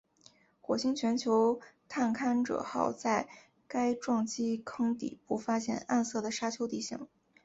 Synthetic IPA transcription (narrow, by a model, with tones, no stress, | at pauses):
xwɔ˨˩ɕi˥ŋt͡ɕʰɥɛ˧˥nt͡ɕʰjo˧˥ʊt̪ʰa˥˩nkʰa˥nʈ͡ʂɤ̰˨˩xɑ˥˩ʊt͡sa˥˩ɪ | ka˥ɪʈ͡ʂwɑ˥˩ŋt͡ɕi˥kʰɤ˥ŋt̪ḭ˨˩pu˥˩fa˥ɕjɛ̰˥˩na˥˧nsɤ˥˩d̪ə˩ʂa˥t͡ɕʰjo˧˥ʊt̪i˥˧ɕi˥˩ŋ